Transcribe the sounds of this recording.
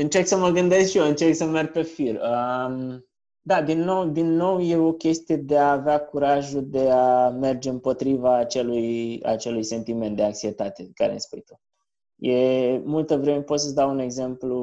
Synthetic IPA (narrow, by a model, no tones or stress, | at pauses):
ɨnt͡ʃe̞rksəməɡɨnd̪e̞skʃijoɨnt͡ʃerksəmerɡ̚pe̞firəm | d̪ad̪inːo̞wd̪inːo̞wje̞o̞kʲe̞st̪ije̞d̪e̞aːveakuɾaʒuld̪e̞ame̞rd͡ʒe̞ɨmpo̞t̪ɾivaːt͡ʃe̞luja̰t͡ʃe̞lujse̞nt̪ime̞nt̪d̪e̞aŋksiet̪at̪e̞kaɾḛnspujt̪u | je̞mult̪əvɾe̞mepot̪səsd̪awune̞ɡze̞mplu